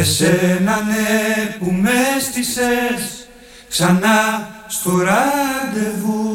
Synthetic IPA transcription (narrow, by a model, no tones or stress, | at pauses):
esenanepumest̪ises | ksanast̪oɾad̪evu